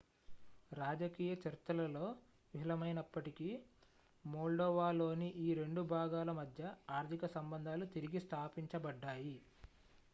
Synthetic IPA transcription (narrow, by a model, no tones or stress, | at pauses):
ɾaːd͡ʒɐkiːjɐt͡ʃɐɾit̪ːɐlɐlo̞ː | ʋiɦilɐmɐjnɐpːɐʈiki | moːɭɖɔːʋaːlo̞ːniʔiːɾe̞ɳɖubʱaːɡaːlɐmɐd̪ʱjɐaːɾt̪ʰikɐsɐmbɐnd̪ʱaːlut̪iɾiɡist̪ʰaːpiɲt͡ʃɐbɐɖːaːji